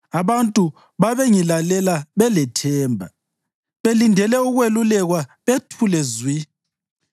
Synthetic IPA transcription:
aβantʼu | βaβeŋilalɛlaβɛlɛtʰɛːmbʱa | βelindʱɛlɛuɣwelulɛɣwaβetʰulɛzwi

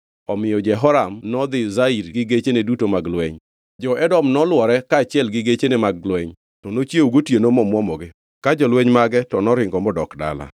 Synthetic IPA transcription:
ɔmɪjɔd͡ʒɛɦɔɾamnɔd̪ɪzaiɾɡɪɡet͡ʃenedutomaɡlwɛɲ | d͡ʒɔʔɛdɔmnɔlwɔɾɛkaːt͡ʃɪɛlɡɪɡet͡ʃenemaɡlwɛɲ | tɔnot͡ʃjeuɡotjenomɔmwɔmɔɡɪ | kad͡ʒɔlwɛɲmaɡɛtɔnɔɾɪŋɡɔmɔdɔkda̰la̰

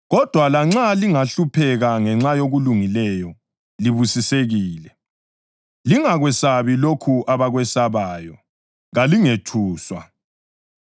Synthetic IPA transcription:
ɣɔd̥ʱwalaŋ͡ǁaliŋaɬupʰɛɣaŋɛŋ͡ǁajoɣuluŋilɛjɔ | liβusiseɣiːlɛ | liŋaɣwɛsaβilokʰuʔaβaɣwɛsaβaːjɔ | ɣaliŋetʰuːswa̰

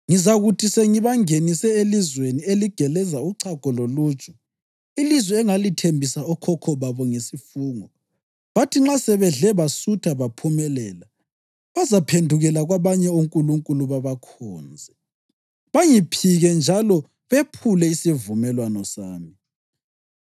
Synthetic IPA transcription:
ŋizaɣutʰiseŋiβaŋenisɛelizwenieliɡ̥ʱɛlɛzauǀʰaɡ̥ʱɔloluːt͡ʃʼɔ̥ | ilizwɛːŋalitʰembʱisaɔkʰɔkʰɔβaβɔŋesifuːŋɔ | βatʰiŋ͡ǁasɛβɛɮɛβasutʰaβapʰumɛlɛːla | βazapʰendʱuɣɛlaɣwaβaɲɛoŋkʼuluŋkʼuluβaβakʰɔ̰ːnd͡zʱɛ | βaŋipʰiɣɛnd͡ʒʱalɔ | βepʰulɛisivumɛlwanɔsaːmi

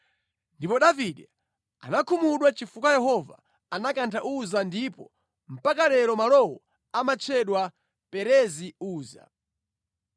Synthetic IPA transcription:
ndipɔɗaviɗɛ | a̰nakʰumuɗwat͡ʃifukwajɛɦɔva̰ | anakantʰaʔuzandipɔ̰ | m̩pakaɾɛɾɔmalɔwɔ | amat͡ʃʰɛɗwa | pɛɾɛziuːza̰

